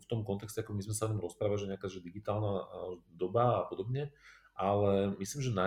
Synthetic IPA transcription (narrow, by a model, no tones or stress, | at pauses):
ft̪ɔmkɔnt̪ɛkscɛakɔmizmɛsaɔɲɔmɾɔspɾaːʋalʒɛɲɛakaːʒɛd̪iɡit̪aːlnad̪ɔbaːpɔd̪ɔbɲɛʔalɛmisliːmʒɛna